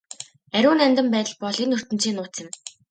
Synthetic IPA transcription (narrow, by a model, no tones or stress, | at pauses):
æɾʲʊːnæmʲt̪ə̆mpæːt̪ə̆ɮpɔɮinːɵr̥t̪ɘ̆n̥t͡ɕiːnʊːt͡s̪ɪ̆m